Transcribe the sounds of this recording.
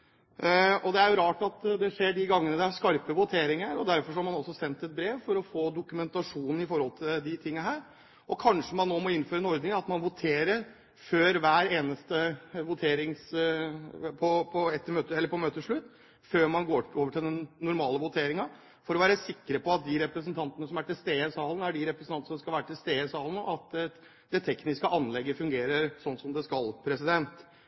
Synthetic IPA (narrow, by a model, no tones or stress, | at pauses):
ɔd̪ɛæɾjʊɾɑːʈɑt̪d̪ɛʂeːɖɪɡɑŋːənəd̪ɛæskɑɾpəʋʊt̪ʰeːɾɪŋəɾɔd̪æɾfɔɾʂ̬ɔhɑɾmɑnɔsːɔsɛnt̪ɛt̪̚bɾeːʋfɔɾɔfoːd̪ʊkʉmɛnt̪ɑʂuːnn̩ɪfɔɾhɔlt̪ʰɪld̪ɪt̪ʰɪŋːəɦæːɾ | ʔɔkʰɑnʂəmɑnːoːmɔɪnføːɾəɛnɔɾd̪nɪɑt̪mɑnʋʊt̪ʰeːɾəɾ | føːɾʋæːɾeːnəst̪əʋʊt̪ʰeːɾɪŋs | pʰɔpʰɔɛt̪ːəɾmøːt̪əɛlːəɾpʰɔmøːt̪əʂɭʉt̪ː | føːɾmɑnɡoːoːʋəʈʰɪld̪ɛnnːʊɾmɑːləʋʊt̪ʰeːɾɪŋɑ | fɔɾɔʋæːɾəsɪkːəɾəpɔɑt̪̚d̪ɪɾɛpɾəsnt̪ʰɑnt̪ənəsɔmæʈɪlst̪eːəsɑːlənəæɖɪɾɛpɾəsənʰɑnəsɔskɑlʋæːɾəʈʰɪlst̪eːəsɑːlənəɑt̪ | d̪ɛt̪ʰɛknɪskəʔɑnlɛɡːəfʉŋɡeːɾəɾsɔnːsɔmd̪ɛskɑlpʰɾɛsɪd̪ɛnt̪